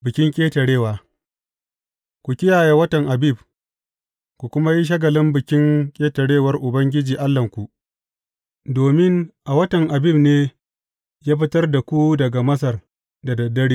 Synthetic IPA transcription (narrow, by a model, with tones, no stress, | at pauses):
bɪ˨kʲɪ˦ŋkʲʼeː˦tɐ˨ɽeː˦˨waː˨ | kʷu˨kʲɪ˦jaː˨ja˦wɐ˦tɐ˨ŋʔa˨bi˦˨b | kʷu˨kʷʊ˦ma˦ji˦ʃ̬ɐ˦ɡɐ˨lɪ˦mbɪ˨kʲɪ˦ŋkʲʼeː˦tɐ˨ɽeː˦wɐ˦rʔʊ˨bɐ˦ŋɡʲɪ˦d͡ʒiː˨ʔa˦lːɐ˨ŋkʷu˨ʔ | doː˨mɪ˦ŋʔa˨wɐ˦tɐ˨ŋʔa˨bi˦˨bneː˦ | jaː˦ɸɪ˦tɐ˦rda˨kʷu˦dɐ˨ɡa˨mɐ˦s̬ɐ˨r | da˨dɐ˨dːɐ˦ɽiː˦